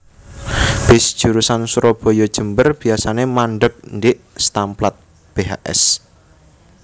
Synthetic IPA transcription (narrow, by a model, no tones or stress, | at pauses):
b̥ɪsd̥ʒ̥uɾusansuɾɔb̥o̤jɔd̥ʒ̥ə̤mbərb̥i̤asanemanɖək̚ndɪʔ | st̪amplat̪̚ | b̥eɦa̰ʔɛ̰s